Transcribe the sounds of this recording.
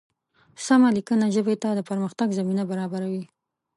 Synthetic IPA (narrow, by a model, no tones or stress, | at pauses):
samalikənaʒəbet̪ad̪əpəɾməxt̪aɡzaminabaɾɑbaɾawi